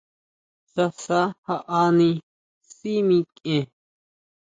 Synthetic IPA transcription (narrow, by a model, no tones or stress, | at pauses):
sɐsahaʔaːni | simĩkʼẽ